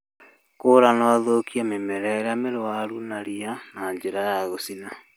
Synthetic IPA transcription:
koɾanɔðokiamemɛɾɛɾameɾwaɾunaɾianaɲd͡ʑeɾajaɣosina

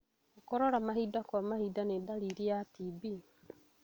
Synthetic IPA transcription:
okɔɾoɾamaɦidakamahidanedaliɾiatibi

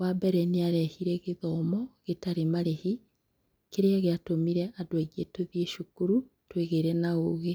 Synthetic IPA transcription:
wabɛɾɛniaɾɛhiɾɛɣeðɔmɔɣetaɾemaɾehi | keɾeaɣeatomiɾɛʔadweɣietoðieʃukuɾutweɣeɾɛnaoɣe

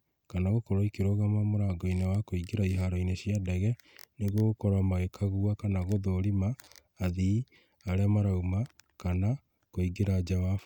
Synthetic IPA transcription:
kanaɣokɔɾoikeɾoɣamamoɾaɡɔinewakoiɡeɾaiɦaɾɔineɕjadɛɣɛ | neɣokɔɾamaɣekʰaɣuakanaɣoðoɾimaː | ði | aɾeamaɾaumakana | koiɡeɾad͡ʒawaf

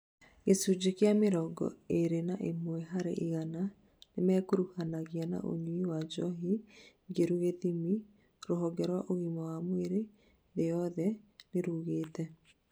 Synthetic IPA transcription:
ɣesud͡ʑekeameɾɔɡɔ̰eɾenaʔemwɛɦaɾḛʔiɣana | nemɛːkuɾuhanaɣiana̰ʔo̰ɲwiwad͡ʒɔɦi | ɡeɾuɣeðimi | ɾoɦɔɡɛɾwaʔoɣimɔwamweɾe | ðejɔðɛneɾuːɣeːtɛ

